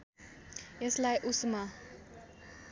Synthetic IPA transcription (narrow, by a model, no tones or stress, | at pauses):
jəslajʔusma